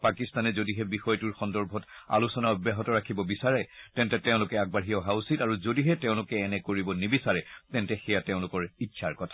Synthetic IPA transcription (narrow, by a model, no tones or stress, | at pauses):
pakistanɛzodiɦɛbixɔjtuɹxɔndɔɹbʱɔta̰lusɔnaɔbjaɦɔtɔɹakʰibɔbisaɹɛtɛntɛtɛʊ̃lʊkɛaɡ̚baɦiɔɦausitaɹuzodiɦɛtɛʊ̃lʊkɛːnɛkoɹibɔnibisaɹɛtɛntɛxɛjatɛʊ̃lʊkɔɹitːʃʰaɹkɔtʰḁ